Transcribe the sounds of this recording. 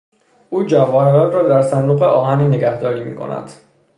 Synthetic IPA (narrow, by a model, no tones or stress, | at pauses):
ʔuːd͡ʒævɒːheɾɒːnrɒːd̪æɾsænd̪uːɣeʔɒːɦæniːne̞ɡæhd̪ɒːɾiːmḭːkʰo̰nʔæ̰d̪̥